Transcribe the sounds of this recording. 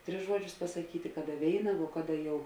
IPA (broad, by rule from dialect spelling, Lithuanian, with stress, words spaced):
ˈtʲrʲɪs ˈʒuɔˌd͡ʒʲʊs pɐsɐˈkʲiːtʲɪ ˈkɑːˌdɐ ˈʋʲeːɪnɐ ʋoː ˈkɑːˌdɐ jɛʊ